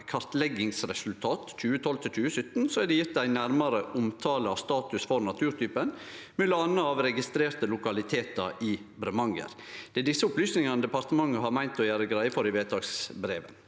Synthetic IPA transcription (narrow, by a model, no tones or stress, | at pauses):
kʰɑɾt̪lɛɡɪŋsɾɛsʉlt̪ʰɑːt̪c͡çʉːət̪ʰɔlt̪ʰɪlt͡ʃʉːəsʏt̪ːnsoæɖɛjɪt̪̚d̪æɪnæɾmɑɾəʔʊmt̪ʰɑːləɑst̪ɑːt̪ʉsfɔɾnɑt̪ʰʉːɾt̪yːpən | mɛləɑnːəɑʋɾɛɡɪst̪ɾeːɾt̪əlʊkɑlɪt̪ʰeːt̪ɑ̰ʔɪbɾɛmɑŋə̰ɾ | d̪̥ɛːd̪ɪsːəʊplyːsnɪŋɑnəd̪ɛpɑɾt̪əmɑŋːəɦɑɾmæɪnt̪ɔjæːɾəɡɾæɪəfɔɾɪʋeːt̪ʰɑːksbɾeːʋə̰n